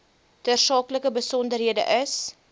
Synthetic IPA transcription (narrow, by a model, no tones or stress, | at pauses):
tərsɑːkləkəbəsɔndərɦiədə̰ʔəs